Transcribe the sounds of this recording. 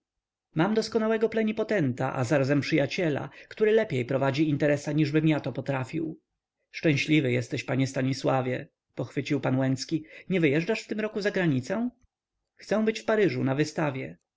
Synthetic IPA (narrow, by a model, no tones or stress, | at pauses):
mamd̪ɔskɔnawɛɡɔplɛɲipɔt̪ɛnt̪a̰ʔa̰zaɾazɛmpʂɘjat͡ɕɛla̰kt̪uɾɘlɛpʲjejpɾɔvad͡ʑiint̪ɛɾɛsaɲiʐbɘmjat̪ɔpɔt̪ɾafʲiw | ʂt͡ʂɛ̃w̃ɕlʲivɘjɛst̪ɛɕpaɲɛst̪aɲiswavʲjɛ | pɔxfɘt͡ɕiwpanwɛnt̪skʲiɲɛvɘjɛʐd͡ʐaʂft̪ɘmɾɔkuzaɡɾaɲit̪sɛ̃ | xt̪sɛw̃bɘt͡ɕfpaɾɘʐunavɘst̪avʲjɛ